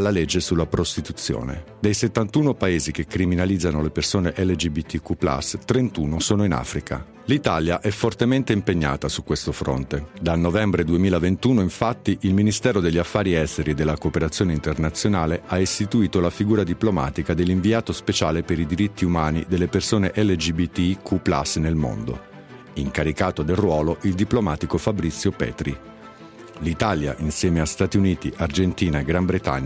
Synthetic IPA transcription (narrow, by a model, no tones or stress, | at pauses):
lːaled͡ʒːesulːapɾost̪it̪ut̪sːjo̰ːnḛd̪ejset̪ːant̪uːnopaeːzik̟ekːɾiminalid̪zːanolepersoːneʔɛlːed͡ʒibit̪ːikupla̰st̪ɾent̪uːnosoːnoina̰fɾikʰa̰ | lit̪aljaʔɛfːort̪ement̪eimpeɲːa̰ːt̪asukːwest̪ofɾo̰nt̪ed̪alnovɛmbɾed̪uemiːlavent̪uːnoiɱfat̪ːiʔilminist̪ɛːɾod̪elʎːafːaːɾiɛst̪eɾid̪elːakoːpeɾat̪sːjoːneint̪ernat̪sːjonaːleaest̪it̪uiːt̪olafiɡuːɾad̪iploma̰ːt̪ikad̪elːiɱviaːt̪ospet͡ʃaːlepeɾid̪iɾit̪ʰːiumaːnḭd̪elːepersoːneʔɛlːed͡ʒibit̪ːikʰupla̰snelmo̰nd̪o̰ | iŋkaɾikaːt̪od̪elrwɔːloʔild̪iplomaːt̪ikofabɾit̪sːjopɛ̰ːt̪ɾi | lit̪aːlja̰ʔinsjɛːmeast̪at̪iuniːt̪iʔard͡ʒent̪iːnaeɡɾambɾet̪a̰ɲːa